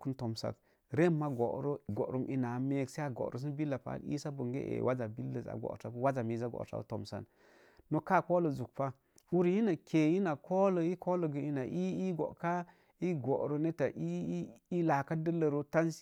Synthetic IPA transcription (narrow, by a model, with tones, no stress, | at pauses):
ku˦nto˨msa̰˨k | ɾe˦mːa˦ɡo̰˨ʔɾo˦ɡo̰˨ɾu˦mʔi˦na˨˦me˦kse˦a˨ɡo̰˨ɾo̰˨s̬i˦nbi˦lːa˨pa̰˦˨˦ḭ˦sa˦bo˨ŋɡḛ˦ʔḛ˨wʔa˦za˨bi˦lːə˨za̰˨ɡo̰˨ta˨˦bwa˦za˨mi˨za˦ɡo̰˨ta̰˦to˨msa̰˦˨nː | o˦ka˦˨ko˦lo˨zu˨k̚pa˦ | wu˦ɾji˦na˨kʰe˨ji˦na˨ko˦lo˨i˦ko˦lo˨ɡə˨i˦na˨ʔi˦i˦ɡo̰˨ka˦ | i˦ɡo˨ʔɾo˨ne˦ta˨ʔi˦i˦la˨ka˦də˦lə˨ɾo˦ta˦n˦si̥˦